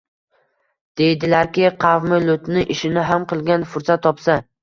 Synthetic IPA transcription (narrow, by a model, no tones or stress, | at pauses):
d̪̥e̞jd̪ɪlaɾkʲɪqʰɑvmɪlʊt̪nɪʔɪʃɪnɪɦamqɨlˠɡʲanfʊɾsat̪ʰːɒpsa